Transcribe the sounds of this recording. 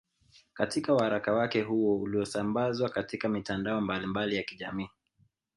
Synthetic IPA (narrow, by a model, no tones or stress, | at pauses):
katikawuhaɾakawakɛɦuɔuliɔsambazwakatikamitandaɔmbalimbalijakiʄamiː